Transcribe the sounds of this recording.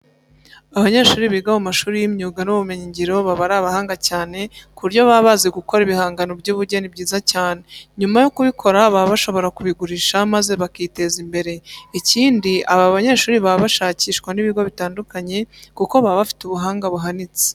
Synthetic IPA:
aβaɲe̞ʃuːɾiβiɡamumaʃuːɾijimɲuːɡanuβumeɲiɲɟiɾo̞βaβaɾaːβahaːŋɡacaːne̞kuɾɟo̞βaβaːzeɡuko̞ɾiβihaːŋɡano̞bɟuːβuɾɟenibɟiːzacaːne̞ɲumajo̞kuβikʰo̞ɾaβaβaʃo̞βo̞ɾakuβiɡuɾiʃamaze̞βakiːte̞zimbe̞ɾe̞iciːndiʔaβaβaɲe̞ːʃuːɾiβaβaʃaːciːʃkwaniβiɡo̞βitaːndukaɲe̞kuko̞βaβafi̥tuβuɦaːŋɡaβuɦanit͡se̥

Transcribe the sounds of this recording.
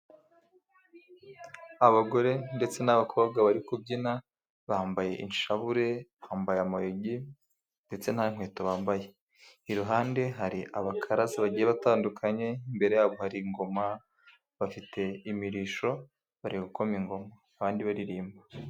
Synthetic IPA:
aβaɡo̞ɾe̞nde̞t͡se̞naβakʰo̞βɡaβaɾikub̚ɟina | βaaːmbaje̞ʔinʃaβuɾe̞βahaːmbajamajoɟi | nde̞t͡se̞n̥haiŋ̥we̞ːtoβaːmbaje | iɾuɦaːnde̞ɦaɾiʔaβakʰaɾazaβaɟijeβataːndukʰaɲe̞imbe̞ɾe̞jaːβo̞haɾiŋɡo̞ma | βafitʰe̞imiɾiʃo̞ | βaɾiɡuko̞miŋɡo̞maːβaːndiβaɾiɾiːmba

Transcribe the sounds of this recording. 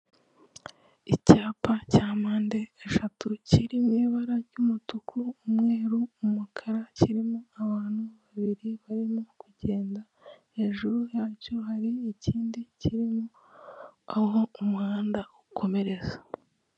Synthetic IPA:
icaːpacaːmaːnde̞ːʃatuciɾimiːβaɾaɾɟumutukʰuːmŋeːɾuːmukʰaɾaciɾimoaβaːn̥huβaβiɾiβaɾimo̞kuɟe̞ːnda | he̞ːʒuɾujaːcoɦaɾiːciːndiciɾimo | aɦo̞umaːndaukʰo̞me̞ɾe̞za

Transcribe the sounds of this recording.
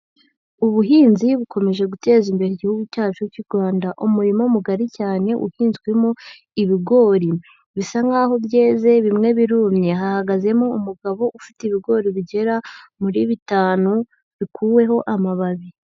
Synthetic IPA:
uβuɦiːnziβuko̞me̞ʒe̞ɡute̞ːzimbe̞ɾiɟihuɡucaːt͡ʃuciɾɡwaːndaʔumuɾimomuɡaɾicaːne̞ʔṵhiːnzɡwemo | iβiɡo̞ːɾi | βisaŋɡaːho̞bje̞ːze̞βimŋe̞βiɾumɲe̞ɦahaɡaze̞moumuɡaβo̞ʔufitiβiɡo̞ːɾiβiɟe̞ɾamuɾiβitaːnu | βikʰuːwe̞ɦo̞ʔamaβaβi

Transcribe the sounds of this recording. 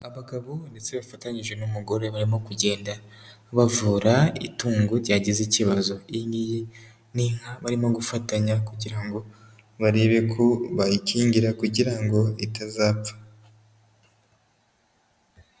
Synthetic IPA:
aβaɡaβonde̞t͡se̞βafataɲiʒɡwe̞numuɡo̞ɾe̞βaɾimo̞kuɟe̞ːnda | βavuːɾaḭtuːŋɡuɾɟaːɟiziciβazo̞iɲɡije | niŋ̥haβaɾimo̞ɡufataɲakuɟiɾaŋɡo̞ | βaɾeːβe̞kʰoβajiciːɲɟiɾakuɟiɾaŋɡo̞itazaːpp͡fḁ

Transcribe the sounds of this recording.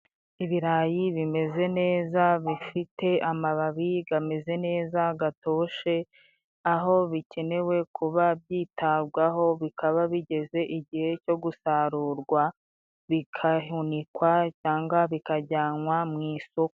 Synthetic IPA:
iβiɾajiβime̞ze̞ne̞ːzaβifite̞ʔamaβaβiɡame̞ze̞ne̞ːzaɡato̞ːʃe̞ | aɦo̞βice̞ne̞we̞kʰuβabjiːtaβɡwaɦo̞βikʰaβaβiɟe̞ze̞ʔiɟihe̞co̞ɡusaɾuːɾɡwa | βikʰahunikwacaːŋɡaβikaɟaːnwamŋiːsok

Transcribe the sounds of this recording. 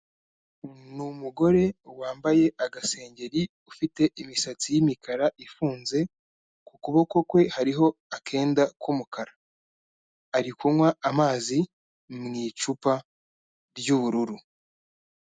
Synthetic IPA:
numuɡo̞ɾe̞waːmbaje̞ʔaɡase̞ːɲɟe̞ɾi | ufite̞ʔimisat͡sijimikʰaɾaʔifuːnze̞ | kukuβo̞ko̞kwe̞haɾiɦo̞akʰe̞ːndakumukʰaɾḁ | ɾikumwaamaːzi | mŋiːt͡ʃupa | ɾjuβuɾuɾu

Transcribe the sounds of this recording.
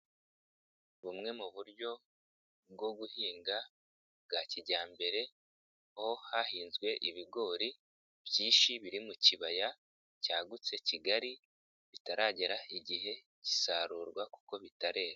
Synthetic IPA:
βumŋe̞muβuɾɟo̞ | b̚ɡo̞ɡuhiːŋɡa | bɡaːciɟaːmbe̞ɾe̞ | ho̞hahiːnzɡwe̞ʔiβiɡo̞ːɾi | b̥jiːnʃiβiɾimuciβaja | caːɡut͡se̞ciɡaɾi | βitaɾaːɟe̞ɾaiɟiɦe̞ | ci̥saːɾuːɾɡwaku̥ko̞βitaɾe̞ːɾa

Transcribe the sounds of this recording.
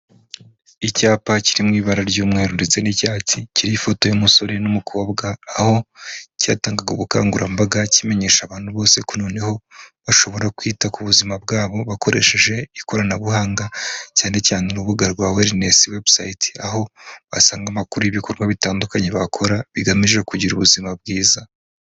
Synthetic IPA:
icaːpaciɾimŋiːβaɾaɾɟuːmŋe̞ːɾundet͡se̞nicaːticiɾifo̞to̞jomuso̞ɾe̞numukʰo̞ːbɡaːho̞ca̰ːtaːŋɡaɡuβuka̰ːŋɡuɾʔambaɡacime̞ɲe̞ːʃaβaːnhuβo̞ːse̞kunoːneho̞βaʃo̞βo̞ɾakwiːtakuβuzimabɡaːβo̞βako̞ɾe̞̰ʃe̞ʒe̞iko̞ɾanaβuhaːŋɡacaːne̞caːnenuβuɡaɾɡwaːweɾine̞siwe̞bsajiti̥aɦo̞βa̰saːŋɡamakuɾujiβiko̞ɾɡwaβitaːndukaɲeβakʰo̞ɾaβiɡamiʒe̞kuɟiɾuβuzimab̚ɡiːza

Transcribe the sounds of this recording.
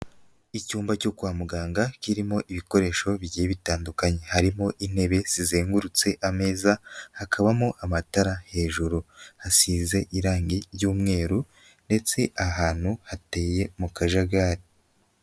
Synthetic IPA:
icuːmbaco̞kwaːmuɡaːŋɡakiɾimo̞ʔiβiko̞ɾe̞ːʃo̞βiɟijeβitaːndukaɲe̞haɾimo̞ʔin̥e̞βe̞z̥izeːŋɡuɾut͡se̞ʔame̞ːzahakʰaβamoʔamataɾahe̞ːʒuɾuhasiːze̞ʔiɾaːŋɡiɾjuːmŋe̞ːɾu | nde̞t͡se̞ʔaɦaːn̥huhate̞ːje̞mukaʒaɡaːɾi

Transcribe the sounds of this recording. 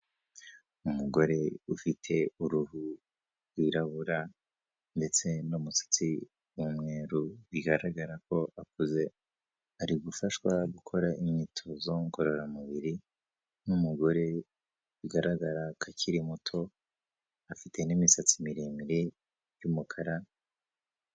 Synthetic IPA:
umuɡo̞ɾe̞ufitʰe̞uɾuɦu | ɾɡwiɾaβuɾa | nde̞t͡se̞numusḁt͡si | wumŋeːɾuβiɡaɾaɡaɾako̞ʔakuze̞ | aɾiɡufaʃwaɡukʰo̞ɾaʔimɲitʰo̞zo̞ŋko̞ɾo̞ɾamuβiɾi | numuɡo̞ɾe̞ | βiɡaɾaɡaɾakʰaciɾimutʰo̞ | afite̞nimisat͡simiɾimiɾi | jumukʰaɾa

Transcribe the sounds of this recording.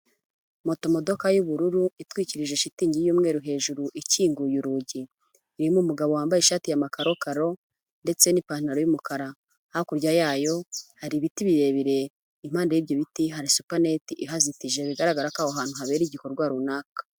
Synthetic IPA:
mo̞to̞mo̞do̞kajuβuɾuɾuitwiːciɾiʒe̞ʃitiːɲɟijuːmŋe̞ːɾuɦe̞ːʒuɾuʔiciːŋɡujuɾuːɟiː | ɾimumuɡaβowaːmbajeʃaːtijamakaɾo̞kaɾo̞ | nde̞t͡se̞nipaːn̥aɾojumukaɾaː | hokuɾɟajaːjo̞haɾiβitiβiɾe̞βiɾe̞ | im̥haːndajiβjoβitiɦaɾisupane̞tiʔiɦazitiʒeβiɡaɾaɡaɾakaːhoɦaːn̥huɦaβe̞ɾiɟiko̞ɾɡwaːɾunaːkḁ

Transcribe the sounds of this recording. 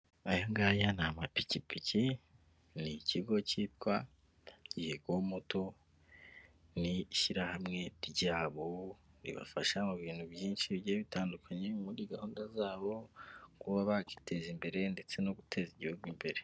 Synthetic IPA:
ajoŋɡajanamapicipici | niciɡo̞ciːtkwa | ɟihekwomoto̞ | niʃiɾahamŋe̞ɾɟaːβoɾḭβa̰faʃamuβiːnhubjiːnʃiβjeːβitaːndukʰaɲemuɾiːɡahuːndazaːβo̞kuβaβaki̥tʰe̞zimbe̞ɾe̞nde̞t͡se̞no̞ɡutʰe̞ziɟihuɡwimbe̞ɾe̞

